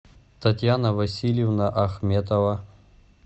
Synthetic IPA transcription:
t̪ɐt̪ʲjanɐvɐsʲilʲjevnaʔɐxmʲet̪ovɐ

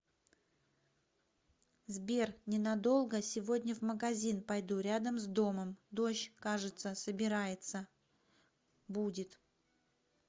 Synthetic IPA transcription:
zbʲe̞rnʲɪnɐd̪o̞lˠɡəsʲɪvo̞dʲnʲəvməɡɐzʲinpɐjd̪uɾʲad̪əmzd̪o̞məmd̪o̞ɕkaʐɨt̪səsəbʲɪɾajɪt̪sə | budʲɪt̪

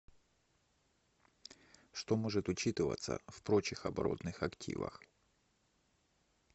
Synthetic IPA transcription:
ʂt̪o̞mo̞ʐɨt̪ʊt͡ɕit̪ɨvə̰t̪sə̰fpɾo̞t͡ɕɪxɐbɐɾo̞̰t̪nɨxɐktʲḭvə̰x

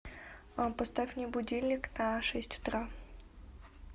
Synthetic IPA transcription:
apəst̪afʲnʲɪbʊdʲilʲnʲɪknaʂɛsʲtʲʊ̥t̪ɾa

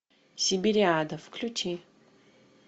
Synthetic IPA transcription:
sibiɾiad̪ɐfkʰlʲutʰi

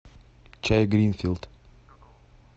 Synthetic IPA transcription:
t͡ʃʰɛjɡɾinfilˠd̪̥

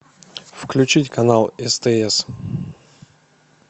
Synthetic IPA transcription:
fklʲʉt͡ɕitʲkɐnalˠɛst̪ɛɛs

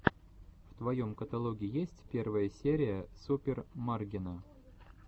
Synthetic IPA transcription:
ft̪vɐjo̞mkət̪ɐlˠoɡʲɪjesʲtʲpʲe̞rvəjəsʲeɾʲɪjəsupʲɪrmarɡʲɪnə

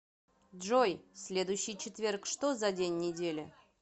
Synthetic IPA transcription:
dʐo̞jsʲlʲe̞d̪ʊjɕːɪjt͡ɕʰɪt̪vʲe̞rkʂt̪o̞zadʲenʲːɪdʲe̞lʲɪ̰

